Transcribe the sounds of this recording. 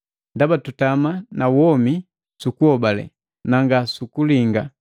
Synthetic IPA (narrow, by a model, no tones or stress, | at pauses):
ndabatutamanawɔmi | sukuhɔbalɛ̰ | naŋɡasukuliŋɡa